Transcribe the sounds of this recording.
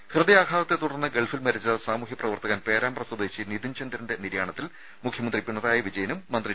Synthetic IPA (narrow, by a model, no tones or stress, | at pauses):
hrɨd̪ɐjaːkʰaːðɐt̪ːet̪uɽɐrnːɨɡe̞ɭfilmɐɾit͡ɕːɐsaːmuɦjiprɐʋɐrt̪ɐɣaːnpe̞ːɾaːmprɐsud̪eːɕinid̪int͡ɕʰɐnd̪ɾɐnde̞niɾjaːɳɐt̪ːil | mukʰjɐmɐnd̪ripiɳːɐraːjɐʋid͡ʑɐjɐnumːɐnd̪ri